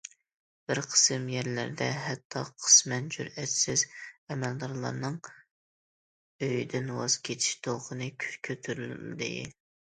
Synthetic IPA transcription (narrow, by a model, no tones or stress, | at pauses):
b̥ɪɾqʰə̥sɨmjɛɾlæ̰ɾd̪ɛ̰ɦɛt̪ʰːɑqʰə̥smɛnd͡ʒṵɾɛt̪sɪzɛmɛld̪ɑɾlˠɑ̰ɾnɨŋ | øjd̪ɪnwɑ̰z̥kʲʰet̪ʰi̥ʃt̪ʰoqʰənɨkʲʰy̥ʃkʲʰøt̪ʰyɾylld̪ɪ̰